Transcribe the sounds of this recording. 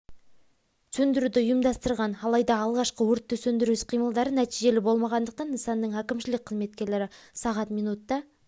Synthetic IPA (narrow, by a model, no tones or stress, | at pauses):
sɵnd̪ɪɾud̪ɪʊjəmd̪ɑst̪əɾʁɑnɑlˠɑjd̪ɑːlˠʁɑʃqəwɵɾt̪ːɵsɵnd̪ɪɾɪsqʰijməlˠd̪ɑɾənæt̪ijʒe̞lɪbo̞lˠmɑʁɑnd̪əq̚t̪ɑnːəsɑnːəɴækʲɪmʃɪlɪk̚ʲqʰəzme̞t̪̚kʲe̞ɾle̞ɾɪsɑʁɑt̪mijnut̪ːɑ